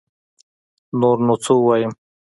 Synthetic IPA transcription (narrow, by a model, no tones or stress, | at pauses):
noɾnot͡sowajim